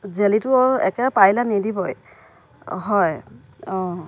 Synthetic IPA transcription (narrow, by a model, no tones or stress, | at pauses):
zelitʊɔɛkɛpajlanidibɔj | ɦɔj | ɔ